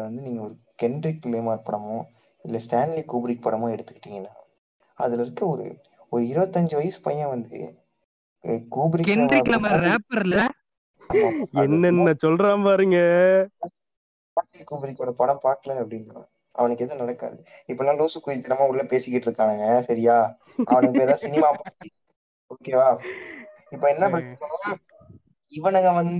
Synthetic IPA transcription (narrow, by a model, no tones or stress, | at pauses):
ʋɐnd̪ɯniːŋɡɐɔɾɯkɛɳɖɾikːleːmaɾpɐɽɐmõː | ɪlːɐsʈaːnlikːuːbɪɾɪkːpɐɽɐmõːɛɽɯt̪ːɯ̥kːɪ̥ʈːiŋɡɐnːaː | ɐ̰ðɪlɪɾɯkːɐɔɾɯ̰ | ɔɾɯɪɾɯbɐt̪ːɐɲd͡ʒɯʋɐjɐsɯ̥pɐjːɐ̃ʋɐnd̪ɯ̰ | kuːbɪɾɪkɛnɖɾikːleːmɐɾɾeːpɐɾlɐ | maɛnːɛnːɐsɔlɾãːpaːɾɯŋɡɐ | paːʈːikuːbɪɾɪkːoːɽɐpɐɽɐmpaːkɐlɐɐpːɐɽɪnd̪ɐlã̰ː | ɐ̰ʋɐnɯkːeðɯnɐɽɐkːa̰ːðɯɪpːolãːluːsɯkːuːjɪt̪ːɪnɐmaːʊɽlːɐpeːsɪkːɪʈːɪɾɯkːaːnɐːŋɡɐsɐɾɪjaː | ɐ̰ʋɐnɯkːɯeːðãːsɪnɪmaːpɐɽɯt̪ːɯ | oːkeːʋaː | ɪpːoːɛnːɐpɐɽ | ɪʋɐ̃naːŋɡɐʋɐn